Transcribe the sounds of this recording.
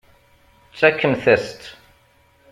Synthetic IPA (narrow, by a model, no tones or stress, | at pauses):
sɛkʰːə̃nθɛst̪